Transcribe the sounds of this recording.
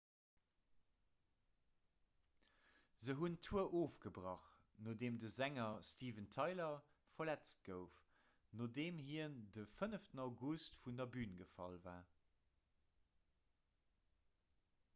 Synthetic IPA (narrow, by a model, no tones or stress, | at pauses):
zəɦuntʰuəʔoːfɡ̥əbʁɑχ | noːdeːmdəzæŋɐstʰiːvəntʰɑɪlɐ | fɐlæt͡st̚ɡ̥əʊf | nodeːmhiəndəfənəftnɑʊɡustfundɐbyːnɡəfɑ̰lvaː